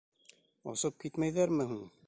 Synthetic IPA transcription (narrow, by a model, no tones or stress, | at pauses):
ɑ̰sɤp̚kit̪mæjðæɾmɘɦuɴ